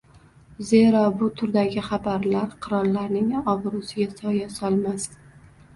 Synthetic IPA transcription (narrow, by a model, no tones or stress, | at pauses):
ze̞ɾɒbʊt̪ʰʊɾd̪aɡʲɪχabaɾlaɾqʰɨɾɒɾːaɾnɪŋɒvɾʊsɪɡʲasɒjasɒlˠmas